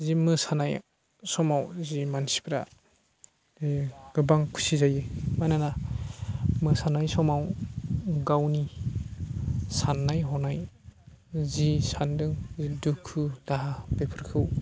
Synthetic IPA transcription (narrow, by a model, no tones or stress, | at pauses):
zimɯsanaj | sɔmawzimansi̥pʰɾa̰ | ɡ̥ɯbaŋkʰu̥sizajɯmajnana | mɯsanajsɔmaw | ɡawni | sanːajɦɔnaj | zisandɯŋzidukʰːudaɦapepʰɯɾkʰɯw